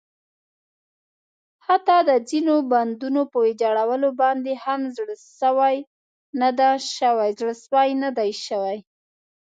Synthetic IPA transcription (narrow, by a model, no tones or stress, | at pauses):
hat̪ɑd̪əd͡zinoband̪unopəwed͡ʒɑɽawəlobɑnd̪ehamzɽəʃəwaj | nad̪aʃəwajzɽəʃwajnad̪ajʃəwaj